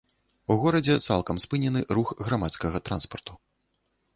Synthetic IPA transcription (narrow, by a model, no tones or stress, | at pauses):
uɣɔɾɐd͡zʲɛt̪sa̰lˠkɐmspɨnʲɛnɨruxɣɾamat̪skɐɣɐt̪ɾa̰nspɐrt̪u̥